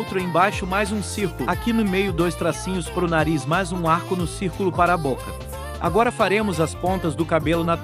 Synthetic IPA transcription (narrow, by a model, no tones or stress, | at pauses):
wt̪ɾʊẽj̃bajʃʊmajzũsiɾkʊlʊakinʊmejʊd̪ojst̪ɾasĩɲʊspɾʊnaɾismajzũaɾkʊnʊsiɾkʊlʊpaɾɐːbokɐ | a̰ɡɔɾɐfaɾẽmʊzɐspõnt̪ɐzd̪ʊkabelʊnɐ